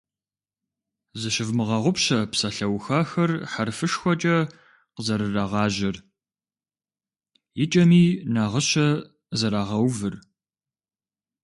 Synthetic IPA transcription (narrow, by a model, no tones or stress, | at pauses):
zɨɕɪvmɨʁɐʁʷʊpɕɐpsɐɬɐwxaːxɐrħarfɨʂxʷɔt͡ʃʼɐ | qəzɐɾɨraʁɑːʑɪr | jɪt͡ʃʼɐmiːnaːʁəɕɐ | zɐɾaːʁɐwvɨr